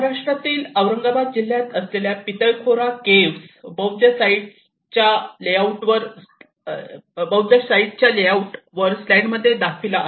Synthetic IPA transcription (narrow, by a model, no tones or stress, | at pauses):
ɾaʂʈɾat̪iːləʋɾəŋɡabad̪̚d͡ʑil̤jat̪əsleljapit̪əɭkʰoɾakeʋsbəwd͡ʑəsaiʈ | t͡ɕjaleawʈʋəɾ | bəwd͡ʑəsaiʈ̚t͡ɕjaleauʈʋəɾslaɳɖməd̪ʱːjed̪akʰila